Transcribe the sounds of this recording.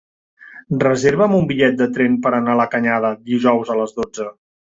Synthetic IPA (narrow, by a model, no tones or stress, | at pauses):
rəzeɾβəmumbiʎɛt̪̚d̪ət̪ɾempəɾənaləkəɲað̞əd̪iʒɔwzələzðod͡zə